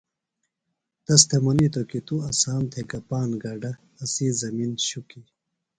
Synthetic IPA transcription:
t̪ɐst̪ʰemɐnit̪okit̪uɐsaːmt̪ʰekɐpaːnɡaːɖɐː | sizɐminɕuki

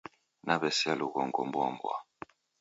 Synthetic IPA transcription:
nabɛsialuɣɔŋɡɔ̰mbwa̰mbwa̰

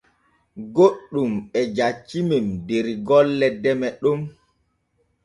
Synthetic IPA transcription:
ɡoɗːumɓɛd͡ʒat͡ʃːimemdeɾiɡɔlːɛdɛmɛɗum

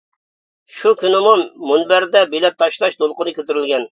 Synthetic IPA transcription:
ʃukʲynɪmumunbæɾd̪ɛbilɛt̪ʰːɑʃlˠɑʃd̪olˠqʊnɨkʲʰøt̪ɪɾɪlʲɡʲɛn

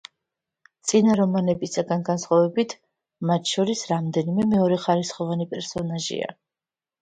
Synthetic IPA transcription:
t̪sʼinaɾɔmanɛbisaɡanɡansχwavɛbit̪ʰ | mat̪ʰʃɔɾisɾamd̪ɛnimɛmɛɔɾɛχaɾisχɔvanipʼɛɾsɔnaʒḭa̰

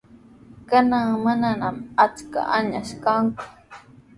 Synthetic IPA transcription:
kanaŋmananamat͡ska̰ʔaɲaʃkaŋkʊ̥

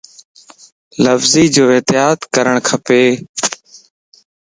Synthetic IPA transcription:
ləfziːd͡ʒoːeːt̪ɪjaːt̪kəɾəɳkʰəpeː

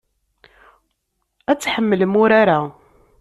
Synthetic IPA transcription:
æt͡sːħəmːəlmʊɾaɾa

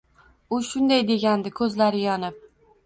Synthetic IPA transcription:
ʊʃʊnd̪ajd̪e̞ɡʲand̪ɪkʰɵzlaɾɪjɒnɪp̚

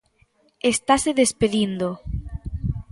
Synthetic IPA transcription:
est̪aseðespeðind̪o

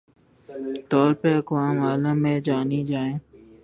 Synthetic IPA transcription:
t̪ɔːɾpəɾəkʋaːmaːləmːẽːd͡ʒaːniːd͡ʒaːẽː

